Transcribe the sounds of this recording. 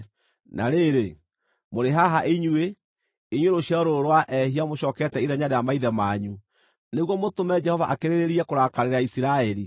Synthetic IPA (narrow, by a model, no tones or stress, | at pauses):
nʔa̰ɾeɾe | moɾeɦaɦaʔeɲwe | eɲweɾoɕiɔɾoɾowaʔɛhiamoɕɔːkɛtɛiðɛɲaɾejamaiðɛmaɲu | neɣwɔmotomɛd͡ʒɛhɔvaʔakeɾeɾeɾiɛkoɾakaɾeɾaisiɾaɛɾi